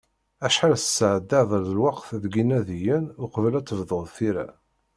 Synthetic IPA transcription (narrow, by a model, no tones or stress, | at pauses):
æʃħalsə̥sːəʕəd̪ːaðˤəɾðəlwɑqθðɡinæðijənʊqvəlæt͡sːəvðˤəʁðθiɾæ̰